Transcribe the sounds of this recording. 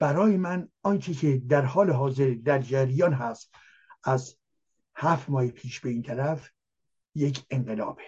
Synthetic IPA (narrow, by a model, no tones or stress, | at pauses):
b̥æɾɒːjemænɒnt͡ʃʰecʰed̪æɾhɒːleɦɒːze̞ɾd̪æɾd͡ʒæɾjɒːnɦæst̪ | ʔæz | hæft̪mɒːhepʰiːʃbe̞iːnt̪ʰæɾæf | jecʰeŋɢelɒ̰ːb̥e